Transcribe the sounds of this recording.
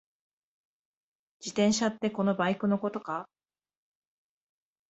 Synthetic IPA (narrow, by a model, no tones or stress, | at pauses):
d͡ʑit̪ẽɰ̃ɕat̪ːe̞ko̞no̞baikɯ̟no̞ko̞t̪o̞ka